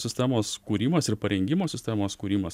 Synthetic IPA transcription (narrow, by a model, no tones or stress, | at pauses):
sʲɪsʲt̪ʲæmoːskuːɾʲiːmɐsɪɾpɐɾʲɛŋʲɡʲɪmoːsʲɪsʲt̪ʲæmoːskuːɾʲiːmɐs